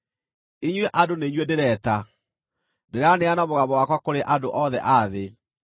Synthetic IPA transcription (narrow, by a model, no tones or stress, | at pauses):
iɲweʔadoneiɲwedeɾɛːta | deɾeaneanamoɣamɔwakwakoɾeʔadoʔɔðɛ̰ʔaðe